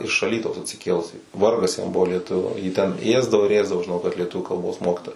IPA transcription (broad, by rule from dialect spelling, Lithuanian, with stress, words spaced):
ɪʃ ɐˈlʲiːtɐʊs ɐtʲsʲɪˈkʲeːlˠʊsʲiː ˈʋɐrɡɐs jɛm ˈbʊʋoː lʲiɛˈtʊʋʲʊ jiː ˈtʲɛn ˈeːzdɐʋoː ɪr ˈeːzdɐʋoː ʒʲɪˈnɐʊ kɐt lʲiɛˈtʊʋʲuː kɐlˠˈboːs ˈmoːkʲɪtoːjɛ